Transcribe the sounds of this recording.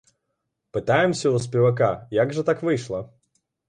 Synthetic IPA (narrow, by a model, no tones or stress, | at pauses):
pɨt̪ajɪmsʲəʊspʲɪvɐkajaɡʐɨt̪akvɨʂlˠə